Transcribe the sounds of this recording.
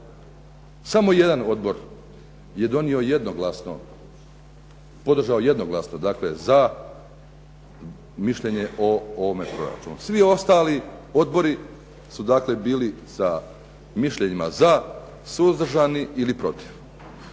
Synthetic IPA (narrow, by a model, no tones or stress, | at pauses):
samo̞je̞d̪ano̞d̪bo̞ɾ | je̞d̪o̞nio̞je̞d̪noɡlasno̰ | po̞d̪r̩ʒaoje̞d̪no̞ɡlˠasnod̪aːkle̞za | miʃʎe̞ɲe̞ʔo̞oʋo̞me̞pɾo̞̰ɾa̰t͡ʃunusʋio̞st̪aːlio̞d̪bo̞ɾi | sud̪aːkle̞biːlisa | miʃʎe̞ɲimaza | suzd̪r̩ʒaniilipɾo̞t̪i̥ʋ